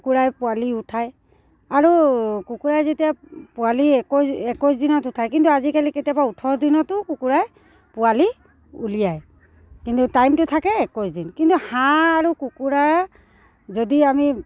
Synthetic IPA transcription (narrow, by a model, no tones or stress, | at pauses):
kuɹajpʊaliutʰaj | aɹukukuɹajzetijapʊaliɛkɔsɛkɔjs̬dinɔtutʰajkintuazikaliketijabautʰɔdinɔtʊkukuɹaj | pʊali | ulijaj | kintutajmtʊtʰakɛɛkɔjsdinkintuhãaɹukukuɹaɹ | zodiami